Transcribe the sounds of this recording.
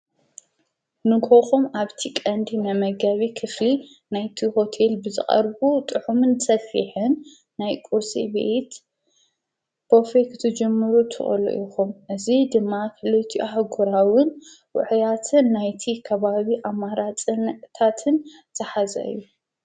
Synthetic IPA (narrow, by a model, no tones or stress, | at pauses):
nɨɡoxumaβt̪ʰikʼɐnd̪inɐmɐɡɐβikʰɨfli | najt̪ʰiho̞t̪ʰelbɨzɨ̰χʼɐ̰ɾbut̪ʼɨħumɨnsɐfḭħɨnː | ajkʼuɾsʼḭbḛt̪ | b̥o̞fɐkʰɨt̪ʰɐd͡ʒɐmːɨɾut̪ʰɨ̰χʼlṵʔixumʔɨzid̪ɨmːakʰɨlɨt̪ʰiʔahɡoɾawɨn | wʊ̰ʕjat̪ʰɨnːajt̪ʰikʰɐβaβiʔamːaɾat͡sʼɨnt̪ʰat̪ʰɨn | t̪ʰɐħazɐ̰ʔɨ̰jːu